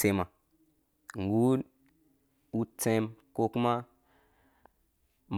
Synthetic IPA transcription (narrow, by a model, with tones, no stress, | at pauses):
e˨ma˨ | ŋ˨ɡu˦l | u˦t͡sẽ˦mko˦ku˦ma˦ | m˨